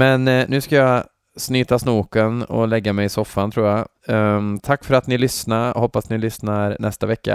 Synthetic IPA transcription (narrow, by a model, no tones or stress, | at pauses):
mɛnnʉ̟ːskaja | snyːt̪asnuːkənɔ̰lɛɡːamɛjɪsɔfːant̪ʰɾuːja | t̪ʰakːfœɾat̪nɪlʏsnaɾhɔpːast̪nɪlʏsnaɾnʔɛst̪avɛkːa̰